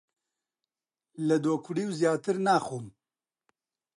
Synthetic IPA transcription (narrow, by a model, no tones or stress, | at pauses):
lɨd̪oːkʰʊɖiːwzjaːt̪ɨɾnaːxuːm